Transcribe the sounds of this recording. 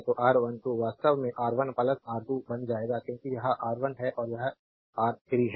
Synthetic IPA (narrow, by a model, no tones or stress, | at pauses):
t̪oʔaːɾʋənt̪oʋaːst̪əʋmẽʔaːɾʋənpɐlət̪aːɾt̪ubɐnd͡ʒaːeːɡakjõːkijɐɦãʔaːɾʋənɦɛʔɔːɾjɐɦ | aːɾkʰɪɾiɦ